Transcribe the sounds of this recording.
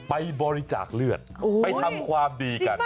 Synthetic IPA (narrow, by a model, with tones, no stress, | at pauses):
pa˧jbɔː˧ɾi˦˧t͡ɕa̰ː˨˩k̚lɯ˥˩ət̪̚opa˧jt̪ʰa˧mkʰwaː˧mdiː˧ka˧n